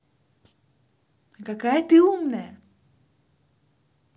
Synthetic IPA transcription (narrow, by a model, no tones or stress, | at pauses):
kakajət̪ɨumnəj